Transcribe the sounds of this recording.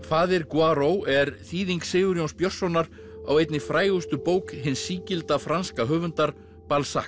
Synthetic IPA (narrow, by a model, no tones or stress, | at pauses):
faːðɪɾkwaɾowɛɾθiːðiŋksɪːɣʏɾjownspjœr̥sɔwnːaɾ | a̰wejt̪nɪfɾaːjʏst̪ʏpoːwkɦɪnsːiːcɪlt̪afɾanskaɦœːvʏnt̪aɾ | palsa̰